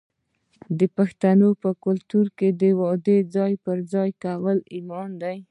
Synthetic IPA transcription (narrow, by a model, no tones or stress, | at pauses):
d̪əpaxt̪anopəkʊlt̪uɾked̪əwɑd̪ed͡zɑjpəɾd͡zɑjkawəlimɑnd̪aj